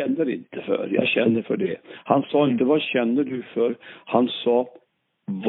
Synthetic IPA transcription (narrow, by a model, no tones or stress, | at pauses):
ɛnːəɾɪ̰nt̪ʰəfœ̰ɾjɑ̰ɕɛnd̪əfœɖɛhansɑːɪnt̪əvaɕɛnːəɖɵfœɾhansɑː | v